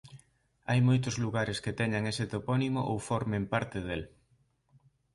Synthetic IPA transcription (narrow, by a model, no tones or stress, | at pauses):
ajmojt̪̬ʊzluɣaɾesket̪ɛɲaŋeset̪opɔnimoʔowfɔɾmẽmpaɾt̪eðel